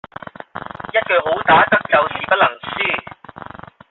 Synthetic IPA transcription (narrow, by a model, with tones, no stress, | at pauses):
jɐ˥t̚kœː˨kɦo˨˥wt̪aː˨˥t̪ɐ˥k̚t͡sɐ˨wsiː˥pɐ˥t̚lɐ˨˩ŋsyː˥˩